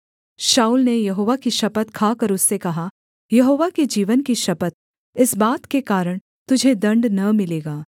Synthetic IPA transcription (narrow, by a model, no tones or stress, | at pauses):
ʃaːuːlnejɐɦoːʋakiʃɐpət̪kʰaːkɐɾʊsːekɐɦa | jɐɦoːʋaked͡ʒiːʋənkiʃɐpət̪̚ | ɪsbaːt̪kekaːɾəɽ̃ | t̪ʊd͡ʒʱed̪ɐ̃ɳɖnɐmɪleːɡaː